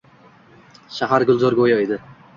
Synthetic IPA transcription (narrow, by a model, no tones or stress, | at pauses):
ʃaɦaɾɡʊlˠzɒɾɡojɒed̪ɪ